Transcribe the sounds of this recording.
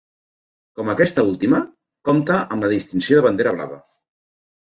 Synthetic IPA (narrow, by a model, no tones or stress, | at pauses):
kɔməkɛst̪əulˠt̪imə | kɔmt̪əʔəmləðist̪insjoðəβənd̪eɾəβ̞la̰βə̰